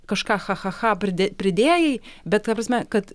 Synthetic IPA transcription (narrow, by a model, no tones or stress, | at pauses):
kɐʃkɑːxɑxɐxɑːpʲɾʲɪd̪ʲɛpʲɾʲɪd̪ʲeːjɛɪbʲɛt̪kɑpɾɐsʲmʲɛkɐt̪